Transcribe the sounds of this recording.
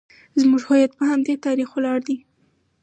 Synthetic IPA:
zmuʒhojat̪̚pəhamd̪et̪ɑɾixwlɑɽd̪i

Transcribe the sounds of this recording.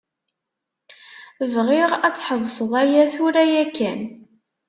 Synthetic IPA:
vʁɪʁæt͡sːħəvsˤəðˤæjæθʊɾæjækːæn

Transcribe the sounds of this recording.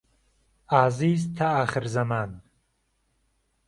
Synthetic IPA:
aːziːzt̪ʰaaːχɨɾzɐmaːn

